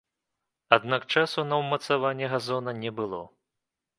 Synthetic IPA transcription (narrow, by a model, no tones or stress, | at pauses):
ad̪nakt͡ʂasunɐwmɐt̪savanʲːɛɣazɔnɐnʲɛbɨlˠɔ